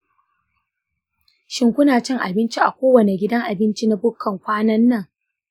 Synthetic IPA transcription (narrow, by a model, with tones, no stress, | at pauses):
ʃɪ˦ŋkʷʊ˦naː˨t͡ʃɪ˦ŋʔa̰˨bɪ˦nt͡ʃi˦ʔa˨kʷoː˦wɐ˨ne˨ɡʲɪ˦dɐ˦ŋʔa˨bɪ˦nt͡ʃi˦na˦bʊ˦kʰːɐ˨ŋkʷaː˦nɐ˦nːɐ˦˨ŋ